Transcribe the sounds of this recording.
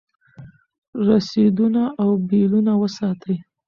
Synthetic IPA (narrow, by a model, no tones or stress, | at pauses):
ɾased̪unaʔawbilunawəsɑt̪ʰəj